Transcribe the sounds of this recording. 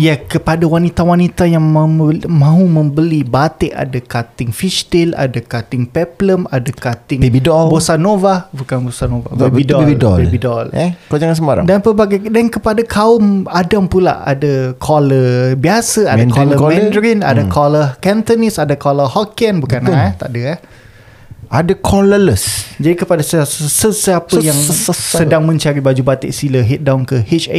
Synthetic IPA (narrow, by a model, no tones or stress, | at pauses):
ijakəpadawanit̪awanit̪ajaŋmãɦumə̃mbəlibat̪ɪʔa̰dakat̪ɪŋfiʃt̪ila̰dakat̪ɪŋpɛpləmadakat̪ɪŋbidɔbosanovabukanbosanova̰bebidɔidɔ̰bebidɔlɛkod͡ʒaŋansəmaɾa̰danpəbaɡajdankəpadakʰaʊmadampula̰ʔa̰dəkʰɔləbiasəamdakɔləkmɛ̃ndɾina̰dakʰɔləkɛnt̪ɔnisadakɔləhɔkɛnbukant̪a̰ʔdəa | adakʰɔlələsd͡ʒadikəpadasssəsəapəjaŋsədaŋmə̃ɲt͡ʃaɾibad͡ʒubat̪ḭʔsiləɦit̪̚dawnkəhit͡ʃḛ